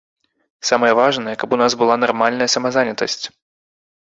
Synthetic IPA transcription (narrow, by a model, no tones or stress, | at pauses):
samɐɨjɐvaʐnɨjɛkɐpunazbɨlˠanɐrmalʲnɐjɐsɐmɐzanʲɐt̪ɐ̰sʲt͡sʲ